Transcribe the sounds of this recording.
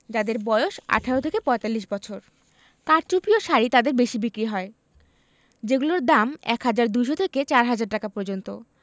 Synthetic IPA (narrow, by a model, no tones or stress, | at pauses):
d͡ʑad̪eɾbɔeoʃa̰ʈʰaɾot̪ʰekepɔet̪alːiʃbɔt͡ɕʰoɾ | kaɾt͡ɕupioʃaɾit̪ad̪eɾbeʃibikɾiɦɔe | d͡ʑeɡuloɾd̪amɛ̰kɦad͡ʑaɾd̪ujʃot̪ʰeket͡ɕaɾɦad͡ʑaɾ̚ʈakapɔɾd͡ʑont̪o